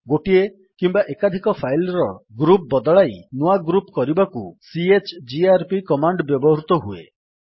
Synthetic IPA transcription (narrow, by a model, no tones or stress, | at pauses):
ɡoʈie | kimbaʔekad̪ʱikɔpʰajlɾɔɡɾup̚bɔd̪ɔɭajnuaɡɾupkɔɾibakusiet͡ʃd͡ʒiaɾpikɔmaɳɖbjɔbɔɦɾut̪ɔɦuḛ